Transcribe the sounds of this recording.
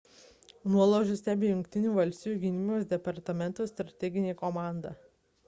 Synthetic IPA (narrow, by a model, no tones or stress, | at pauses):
nuɔlˠoːʒʲʊsʲt̪ʲæːbʲeːjʊŋkʲt̪ʲɪnʲuːʋɐlʲsʲt̪ʲɪjuːɡʲɪnʲɪmʲɪjoːsd̪ʲɛpɐɾt̪ɐmʲɛnt̪uːsʲt̪ɾɐt̪ʲɛɡʲɪnʲeːkɔmɑˑnd̪ɑ